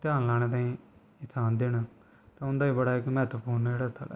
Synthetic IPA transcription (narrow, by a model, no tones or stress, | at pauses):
t̪aːnlaːnẽːt̪ãːĩː | ɪt̪ʰaːnd̪eːna | t̪ãːʊnd̪aːiːbəɽaːɪkmɛːt̪puːɾnd͡ʒeːɽaːt̪ʰa̰ːl̰ː